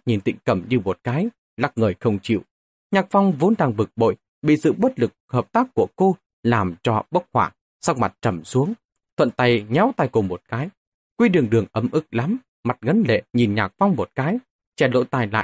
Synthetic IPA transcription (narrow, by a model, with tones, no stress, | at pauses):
ɲi˨˩nt̪ḭ˧˥ŋ̟kə˧˩mɲɨ˧mo˨˩t̚kaː˨˦j | la˦˥k̚ŋəː˨˩jxə˧wŋ͡mt͡ɕḭ˧˨w | ɲaː˨˩k̚fa˧wŋ͡mvo˨˦nɗaː˧ŋɓɨ˨˩k̚ɓo̰˧˨j | ɓḭ˧˨sɨ̰˧˨ɓə˦˥t̚lɨ˨˩k̚həː˨˩p̚t̪aː˦˥kːu˧˩əko˧ | laː˨˩mt͡ɕɔ˧ɓə˦˥k̚hwaː˧˩ | sa˦˥k̚ma˨˩t̚t͡ɕə˧˩msu˨˦əŋ | t̪ʰwə̰˧˨nt̪a˧jŋɛ˨˦wt̪a˧˩jku˨˩mo˨˩t̚kaː˨˦j | kwi˧ɗɨ˨˩əŋɗɨ˨˩əŋʔə˨˦mʔɨ˦˥k̚la˨˦m | ma˨˩t̚ŋə˨˦nlḛ˧˨ɲi˨˩nɲaː˨˩k̚fa˧wŋ͡mmo˨˩t̚kaː˨˦j | t͡ɕɛ˧˩lo̰˧˥jt̪aː˨˩jla̰ː˧˨j